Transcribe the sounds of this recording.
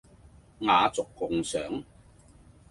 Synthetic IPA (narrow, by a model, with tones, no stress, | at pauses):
ŋaː˨˧t͡sʊ˨kːʊ˧ŋsœː˨˩˥ŋ